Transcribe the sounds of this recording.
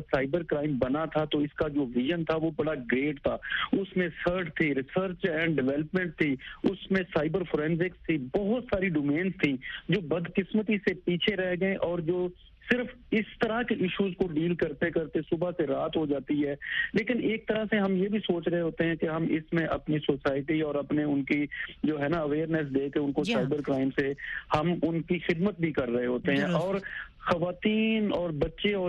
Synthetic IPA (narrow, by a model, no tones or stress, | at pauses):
saːɪbəɾkɾaːɪ̃mbɐnat̪ʰat̪oɪskad͡ʒoːʋɪʒənt̪ʰaʋobɐɽaɡɾeːʈ̚t̪ʰaːʊsmẽsəɾʈt̪ʰiɾɪsəɾt͡ʃɛ̃ːɳɖɖɪʋɛːləpmɛ̃ɳʈ̚t̪ʰiʊsmẽsaːɪbəɾfoːɾɛ̃ːnzɪkst̪ʰibɔɦʊt̪saːɾiɖoːmẽːnzt̪ʰĩd͡ʒoːbɐd̪kɪsmət̪isepiːt͡ʃʰeɾɛɦɡɐẽʔɔːɾd͡ʒoː | sɪɾf | ɪst̪ɐɾakiʔɪʃuːzkoɖiːlkɐɾt̪ekɐɾt̪esʊbʱaseɾaːt̪ɦod͡ʒaːt̪iɦɛːleːkɪneːk̚t̪ɐɾaseɦɐmjebʱisoːt͡ʃɾɐɦeɦoːt̪eɦɛ̃keɦɐmɪsmẽʔɐpnisoːsaːɪʈiɔːɾɐpneʊnkid͡ʒoːɦɛːnaɐʋeːɾnɛs̬d̪eːkeʊnkosaːɪbəɾkɾaːɪmsehɐmʊnkixɪd̪mət̪̚bʱikɐɾːɐɦeɦoːt̪eɦɛ̃ʔɔːɾ | xɐʋaːt̪iːnɔːɾbɐtːʃeɔː